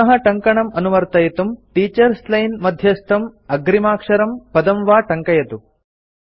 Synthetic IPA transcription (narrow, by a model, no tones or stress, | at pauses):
ɐɦɐʈɐŋkɐɳɐmɐnumɐɾt̪ɐjɐt̪umʈiːt͡ʃɐɾslɐjnmɐd̪ʱjɐst̪ʰɐmɐɡɾimaːkʂɐɾɐmpɐd̪ɐmʋaːʈɐŋkɐjɐt̪u